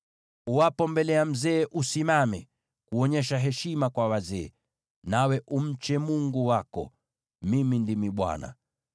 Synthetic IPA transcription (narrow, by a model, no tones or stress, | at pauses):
uapɔmbɛlɛam̩zɛːʔusimamɛ | kuɔɲɛʃ̬aɦɛʃimakwawazɛː | nawɛʔum̩t͡ʃɛmuŋɡuwakɔ̰ | mimindimiɓwa̰na̰